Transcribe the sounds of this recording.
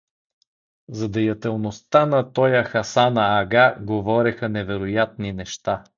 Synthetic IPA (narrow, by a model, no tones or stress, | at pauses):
zɐd̪ɛjɐt̪ɛlˠnost̪anɐt̪ɔjəxɐsanɐːɡaɡovɔɾɛxɐnɛvɛɾojat̪̚ninɛʃt̪a